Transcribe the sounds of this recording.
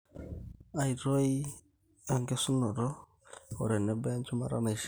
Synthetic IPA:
a˨i˨ɾɔ˦i˦ | a˨ŋɡɛ˦su˦nɔ˨ɾɔ˦ | ɔ̰˨ɾɛ˨nɛ˦bɛ˦nt͡ʃu˦ma˨ɾa̰˦na˨˦ʃ

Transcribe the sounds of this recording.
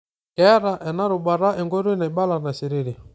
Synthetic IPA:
kɛ˨˦ɾa˨ʔɛ˨na˦ɾʊ˨ɓa˨ɾa˦ʔɛ˨ŋɡo˦ɾe˦na˨i˨ɓa˦la˨na˨si˨ɾe˦ɾi˨

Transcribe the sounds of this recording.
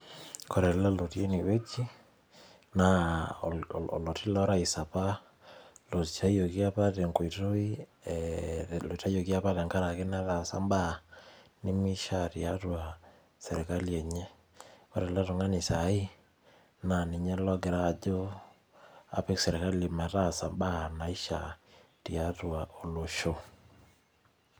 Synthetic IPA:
kɔ˦ɾɛ˨lla˦lo˨te˦ni˨we˦t͡ʃi˦ | na̰˨ | ɔ̰˨lo˨ti˦lɔ˦ɾa˦i˨sa˨pa˦ | lo˨t͡ʃa˦jo˨ki˦a˦pa˦te˨ŋko˨i˨to˦i˦ | lo˨i˨ta˦jo˨ki˦a˦pa˦tɛ˨ŋka˦ɾa˨ke˦na˦la˨sa̰˦mba˦ni˦mi˦ʃa˦ɾia˦twa˨ | se˨ɾe˨ka˦li˦ɛ˨ɲɛ˦ | o̰˦ɾe˨la˦to˨ŋa˦ni˨sa˨˦i˦ | na˨ni˨ɲɛ˦lɔ˦ɡe˨ɾa˦˨d͡ʒo˦ | a̰˦pe˦kse˨ɾe˨ka˦li˨ma˨ta˦sa˨mba˦na˨i˦ʃa̰˨ | tia˨˦twa˨ʔo˨lo˨ʃo˦

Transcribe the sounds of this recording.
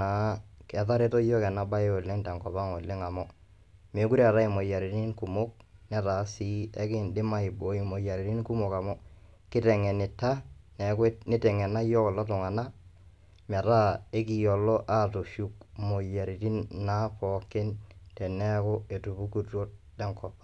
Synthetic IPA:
a˨kɛ˨ta˦ɾe˦to˦jɔ˦kɛ˨na˨˦ba˦o˨lːɪ˦ŋtɛ˨ŋkɔ˨ba˦ŋo˨lːɪ˦ŋa˨mɔ˦ | me˨˦ku˦ɾa˨ɾa˦ɪ˨mo˨ja˨ɾi˨ti˦nku˨mo˦k̚nɛ˦ta˨˦si˨˦ɛ˦kɪ˦ndɪ˦ma˦ɪ˨bo˨˦i˨mo˨ja˨ɾi˨ɾi˦nku˦mo˨ka˨mɔ˦ | kɪ˦tɛ˨ŋɛ˨nɪ˨tːa˦nɛ˨knɪ˦tɛ˨ŋɛ˨na˦jɔ˦kɔ˨la˦tɔ˨ŋa˨na˦ | mɛ˨ta˦e˦ki˨jɔ˨lɔ˦ʔa˦to˨ʃu˦kmo˨ja˨ɾi˨ti˦nna˦pɔ˨kːɪ˦ntɛ˨nɛ˦ko˦e˨tu˨bu˦ku˨to˦t | tɛ˨˦ŋkɔ˨pḁ˦

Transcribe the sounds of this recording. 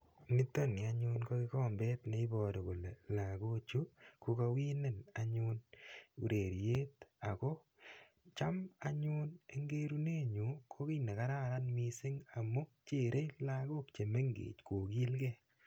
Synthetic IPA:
mi˦t̪ːo˦ni˨a˦ɲʊ˦nko˦kɪ˦kɔ˦mbɛ˦t̪ne˦i˦bɔ˨do˨ko˨le˨la˨ko˦t͡ʃu˦ku˦ka˧wi˦ne˦na˨ɲʊ˦nu˨ɾe˨ɾje˦t̪a˨kɔ˦ | t͡ʃa˦ma˦ɲʊ˦ne˨ŋɡe˦ɾu˦ne˦ɲu˨kʰo˦ki˦ne˨ka˦ɾa˦ɾa˦nmi˦sɪ˦ŋa˨mu˦t͡ʃe˨ɾʔe˦jla˦ɡo˦k̚t͡ʃe˨me˦ŋɡḛː˨t͡ʃko˨ki˦lkɛ˦˨

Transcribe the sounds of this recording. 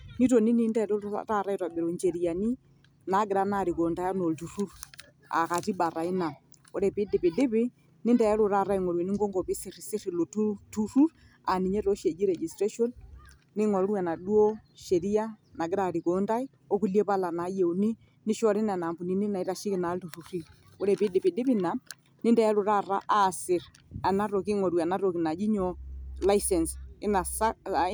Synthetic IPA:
ni˦to˨ni˦ni˦ndɛ˦ɾo˦a̰˦ta˦ɾa˦i˨twa˨be˨ɾo˨ɲd͡ʒe˨ɾi˨ja˨ni˦ | na˨˦ɡɪ˨ɾa˦na˦˨ɾi˨ko˨nda˦ja˦no˨ltu˨ru˦ɾ | a̰˨ka˨ti˦ba˨ɾa˨i˦na˨ | o˨ɾɛ˨pɪ˦dɪ˨pe˨dɪ˦pɪ˦ | nɪ˦ndɛ˨ɛ˦ɾo˦ɾa˦ɾa˦i˨ŋɔ˨ɾwe˨ni˦ŋɡo˦ŋɡo˨pɪ˦sɪ˦˨ri˨sɪ˦ri˨lo˨tu˦tu˦ɾu˦ɾ | a˨ni˨ɲe˦to˦ʃe˨d͡ʒi˦ɾɛ˨d͡ʒi˨stɾe˦ʃo˦nː | ɪ˦ŋɔ˨˦ɾwɛ˨na˨du˦o˦ʃe˨ɾi˦a˦na˨ɡɪ˦ɾa˨ɾi˨ko˨˦nda˦ɪ˦ | o˦ku˨lje˦pa˦la˨na˨˦je˨u˨ni˦ | nɪ˦ʃɔ˦ɾɪ˦na˨na˨mbu˨ni˦nɪ˦na˨i˦ɾa˨ʃɪ˦kɪ˨na˨˦ltu˨ɾu˨ɾi˦ | o˦ɾe˨pɪ˦dɪ˨pɪ˨dɪ˦pi˦na˨ | nɪ˦ndɛ˦a˦ɾʊ˨ɾa˦˨ra˦ʔa˦˨sɪ˨ɾ | a˨na˦ɾo˨kɪ˦ŋɔ˨ɾwa˨na˦ɾo˨ki˨na˨d͡ʒi˦ɲɔ˨la˦i˦sɛ˨nsɪ˦na˨sa˦

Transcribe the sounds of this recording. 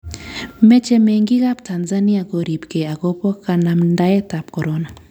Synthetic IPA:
mɛ˦t͡ʃɛ˦me˨ŋɡi˦ka˦pta˨nza˦ni˦ako˨ɾi˨pke˨a˨kɔ˦pɔ˦ka˨na˨mnda˦ɛ˦ta˨p̚kɔ˨ɾɔna˨

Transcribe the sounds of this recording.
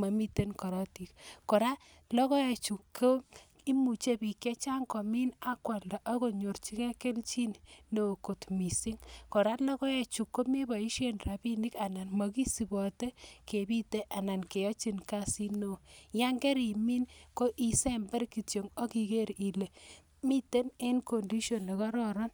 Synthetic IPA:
ma˨mi˦te˦nkɔ˨ɾɔ˦ti˨tkɔ˨ɾa˦ | lɔ˦kɔ˦ɛ˨t͡ʃu˨kʰːo˦ | i˦mu˨t͡ʃe˦bi˨kje˦t͡ʃa˦ŋkɔ˨mi˦na˦kwa˨ldɔ˨ʔa˦ko˦ɲo˨ɾt͡ʃi˦kɛ˦ke˦lt͡ʃi˦nno˨ko˨tmi˨si˦ŋkɔ˨ɾa˦tla˦kɔ˦ɛ˦t͡ʃu˨kːo˦mi˦bɔ˨i˦ʃe˦nra˨bi˦ni˦ka˨na˨nmɔ˨ki˦si˨bɔ˨te˦ke˨bi˦te˦ʔa˨na˨nke˨jɔ˦t͡ʃi˨nka˦si˦no˨ja˦ŋɡɛ˦ɾi˨mi˦nko˦ʔi˨se˦mbɛ˦ɾki˨tjo˨ŋo˦ki˨ke˦ɾi˨le˨ | mi˦te˦ne˦nko˨ndi˦ʃɔ˨nle˨kɔ˦ɾɔ˦ɾɔ˦n

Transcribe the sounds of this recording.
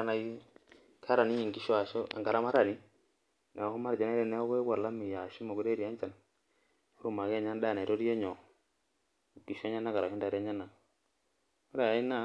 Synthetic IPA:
a˦˨na˨ji˦ | kʰa˦ɾa˨ni˦i˨ŋɡi˨ʃɔ˦a˨ʃɔ˦a̰˨ŋɡa˨ɾa˦ma˦ɾa˨ni˦ | na˨hu˦ma˦ɾd͡ʒa˨na˦ɾɛ˨nɛ˦ɔ˦kɔ˦wa˨la˦mi˨ja˨ʃu˦mɔ˨ɡu˨ɾe˦ɾi˨a˦ɲt͡ʃa˨n˦ | u˦˨ma˨kɛ˦˨ɲa˦nda˦˨n˨i˨ɾɔ˦ɾi˦jɛ˦ɲɔ˨ | ŋɡi˨ʃɔ˦ɲa˦na˦ka˨ɾa˨hu˦nda˨ɾɛ˦ɲa˦na˨ | ɔ˦ɾa˨a˨i˦na˦

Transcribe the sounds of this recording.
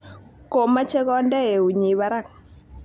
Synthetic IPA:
ko˨ma˦t͡ʃɛ˦kɔ˦ndɛ˦e˨u˨ɲi˨βa˦ɾa˦˨ŋ̚

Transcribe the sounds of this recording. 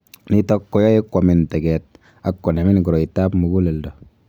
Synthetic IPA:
ni˦tɔ˦kːɔ˦jɔ˦je˦kːɔ˨mɪ˨ntɛ˨ɡɛ˨t̚ | a˨kːɔ˨ne˨mɪ˦nku˨ɾɔ˨i˨ta˦pmu˨ɡu˦lɛ˨ldɔ˨

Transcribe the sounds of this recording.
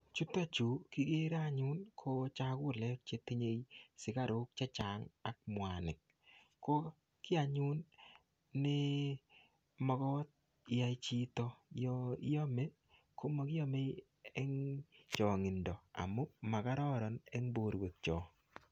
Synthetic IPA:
t͡ʃu˦ta˦t͡ʃu˨kɪ˦ɡe˦ɾa˦˨ɲʊ˦nkʰo˦t͡ʃa˦kʊ˦˨lɛ˦kt͡ʃe˦ti˦ɲe˦jsɪ˨ka˦ɾʊ˦k̚t͡ʃe˦t͡ʃa˨ŋa˨k̚mwa˨nɪ˨k̚ː | ko˦ | kɪ˦a˨ɲʊ˦nː | ɪ˦ | mɔ˦ɡɔ˦t̪̚ | ɪ˦a˨i˦t͡ʃi˦tɔ˦ | jo˦me˦ | ko˦mo˦kɪ˦jo˦me˦ | e˦ŋt͡ʃɔ˨ŋɪ˨ndɔ˨a̰˨mo˦ma˨ka˦ɾɔ˦ɾɔ˨ne˦ŋbo˨ɾwe˨k̚t͡ʃɔ˨

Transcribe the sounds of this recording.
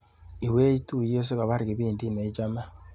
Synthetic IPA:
i˨we˦ji˦tu˦˨jo˦s̬e˦ɣa˨βa˦ɾi˨ɣe˨βiː˨ndi˦ne˨i˦d͡ʒa˦ma˦

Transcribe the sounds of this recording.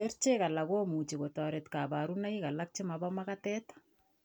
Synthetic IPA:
e˦rt͡ʃe˦ka˨la˨ko˦mu˨t͡ʃe˨ko˨tɔ˨ɾe˨tka˨ba˨ɾuna˦ika˨lak̚t͡ʃe˦maba˦ma˦katɛː˦tḁ

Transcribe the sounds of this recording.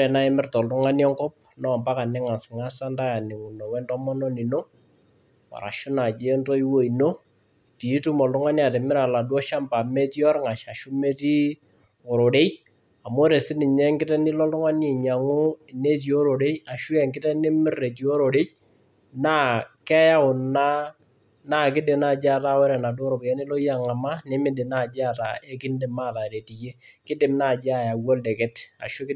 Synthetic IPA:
ɛ˨na˦ɪ˦mɪ˦rtɔ˨ltʊ˦ŋa˦ni˦ɔ˦ŋkɔ˦p̚ | nɔ˦˨mpa˦ka˨nɛ˦ŋa˨sɪ˨ŋa˦sa˦nda˦ja˨nɪ˨ŋʊ˨nɔ˨wɛ˦ntɔ˦mɔ˦nɔ˦ni˨no˦ | ɔ̰˨ɾa̰˨ʃʊ˦na˨d͡ʒe˦ntɔ˦i˦wo˦i˨no˦ | ti˨˦tu˦mɔ˨ltʊ˦ŋa˦ni˦a˨te˨mɪ˦ɾa˨la˨dwɔ˦ʃa˦mpa˨me˦tjɔ˦rŋa˨ʃa˨ʃu˦me˦ti˦ | o˨ɾo˨ɾe˦j | a˨mo˦ɾe˨sɪ˦nɪ˨ɲɛ˦ŋɡɪ˦tɛ˦nɪ˦lɔ˦ltʊ˦ŋa˦ne˨ɲa˨ŋu˦ɪ˨ne˦t̬i˨o˦ɾo˨de˦ja˨ʃʊ˦ɛ˨ŋkɪ˦tɛ˦nɪ˦mɪ˦re˨t̬i˨o˦ɾo˨de˦j | na˦kɛ˦ja˦ʊ˨na˦ | na˦˨k̬ɪ˦dɪ˨na˨d͡ʒa˦ta˦wɛ˦ɾɛ˨na˨do˦ɾo˨kjɛ˦nɪ˦lɔ˦ja˨ŋa˨ma˦nɪ˦mɪ˦dɪ˨na˦˨d͡ʒa˦˨ta̰˨e˦kɪ˦n˦dɪ˨ma˦˨ta˨ɾe˨ti˨je˦kɪ˦dɪ˨mna˦˨d͡ʒa˨ja˨wɔ˦lde˨kɛ˦ta̰˨ʃʊ˦kɪ˦

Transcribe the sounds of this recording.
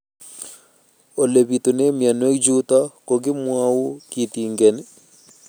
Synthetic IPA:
o˨le˨bi˨t̪o˨ne˦mja˨nwe˦kd͡ʒu˦t̪a˦ko˨ɡɪ˦mwa˦wu˦ki˨t̪i˨ŋɡɛ˨n˦

